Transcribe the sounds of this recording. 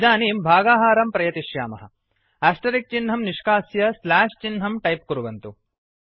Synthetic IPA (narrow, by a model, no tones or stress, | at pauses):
d͡ʒaːniːmbʱaːɡaːɦaːɾɐmpɾɐjɐt̪iʃjaːmɐ̰ɦɐ̰̆ | æːsʈɐɾik̚t͡ʃinɦɐmniʂkaːsjɐslaːʂt͡ʃinɦɐmʈɐjp̚kuɾuʋɐnt̪u